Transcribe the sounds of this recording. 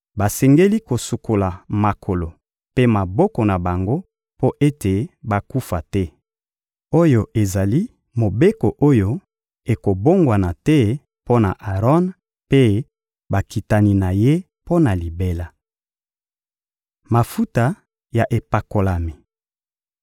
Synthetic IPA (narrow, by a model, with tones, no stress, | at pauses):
ba˨sɛ˨ŋɡe˦li˦ko˨su˨ko˨la˨ma˨kʰo˨lo˨ | pe˦ma˨bɔ˦kɔ˨na˨ba˨ŋɡo˦ | po˦ʔe˦te˨ba˨ku˦fa˨tɛ˦ | o˦jo˨ʔe˨za˨li˦ | mo˨be˦ko˨ʔo˦jo˦ | e˨ko˨bo˦ŋɡwa˨na˨tɛ˦ | po˦na˨ʔa˨ʁɔ˦n | pe˦ | ba˨ki˨ta˨ni˨na˨je˦ | po˦na˨li˨be˦la˨ | ma˨fu˦ta˨ | ja˨ʔe˨pa˨ko˨la˨mi˨